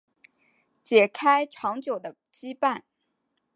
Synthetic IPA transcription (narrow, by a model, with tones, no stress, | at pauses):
t͡ɕjɛ˨˩kʰa˥ɪʈ͡ʂʰɑ˧˥ŋt͡ɕjo˨˩ʊd̪ə˦ | t͡ɕi˥pa˥˩n